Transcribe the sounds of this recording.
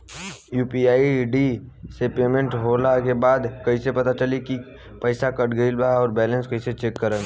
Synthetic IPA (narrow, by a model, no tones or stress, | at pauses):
juːpiaːiɖisepeːmẽɳʈɦoːlakebaːd̪kɐisepɐt̪at͡ʃəliki | pɐɪsakɐʈɡəɪlbaɔːɾbɛːlə̃nskɐiset͡ʃeːkːəɾə̃n